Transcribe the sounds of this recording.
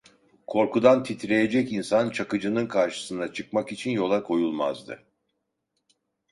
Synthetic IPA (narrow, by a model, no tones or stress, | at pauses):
kʰo̞ɾkud̪ant̪ʰit̪ʰɾe̞je̞d͡ʒɛcinsant͡ʃʰakɯd͡ʒɯnɯnkʰaɾʃɯ̥sɯnd̪at͡ʃʰɯk̚makit͡ʃʰinjo̞lˠakʰo̞julˠma̰zd̪ɯ̰